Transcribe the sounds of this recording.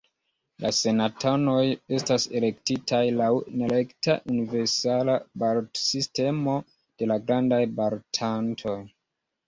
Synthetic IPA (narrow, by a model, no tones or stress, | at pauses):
lʔase̞natono̞je̞stase̞le̞ktitʰajlawnele̞kta̰ʔunive̞ɾsalabaɾtsiste̞mo | d̥e̞laɡɾandajbaɾtʰantʰo̞j